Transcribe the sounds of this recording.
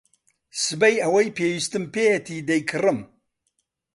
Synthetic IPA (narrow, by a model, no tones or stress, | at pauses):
sɨbɐjɐwɐjpʰeːjistɨmpʰetʰid̪ɐjkʰɨrɨm